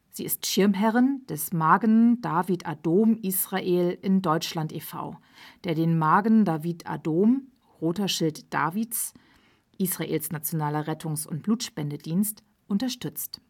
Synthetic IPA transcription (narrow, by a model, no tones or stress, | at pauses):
z̥ḭːɪstʃɪɐmɦɛʁɪnd̥ɛsmaːɡənd̥aːvitʰadoːmʔiːsʁ̥aʔeːlʔɪndɔʏt͡ʃlantefa̰ʊ | d̥eːɐdeːnmaːɡn̩daːviːtʰa̰doːm | ʁoːtɐʃɪltd̥a̰ːviːts | ʔiːsʁ̥aʔḛːlsnat͡sjonaːlɐʁɛtʰʊŋsʊnt̚b̥luːtʃpɛndədiːnst | ʔʊntɐʃtʏt͡st